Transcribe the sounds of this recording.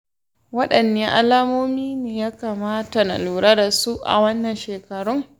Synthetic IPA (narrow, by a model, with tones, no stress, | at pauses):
wɐ˦ɗɐ˨nːeː˦ʔa˦laː˦moː˦miː˦neː˨jaː˦kaː˨maː˦ta˨nɐ̰˨luː˨ɽaː˦da˨su˦ʔa̰˨wɐ˦nːɐ˨nʃeː˨kɐ˨ɽʊ˦ŋ